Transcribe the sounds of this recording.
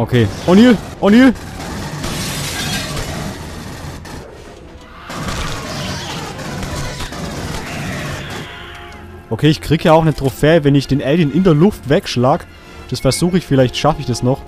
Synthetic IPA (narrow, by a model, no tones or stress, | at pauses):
ʔokʰeːʔɔniːlʔɔniːl | ʔokʰeːɪçkʁ̥iːɡjaːaʊxnətʁ̥ofeːəvɛnɪçd̥eːnʔɛldinɪndeːɐlʊftvɛkʃlaːɡə | d̥asfɛɐzuːxəɪçfɪlaɪçtʃafəɪçd̥asnɔχ